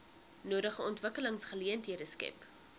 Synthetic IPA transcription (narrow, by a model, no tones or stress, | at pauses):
nuːɾəχəɔntvəkələŋsχəliəntɦiədəskɛ̰p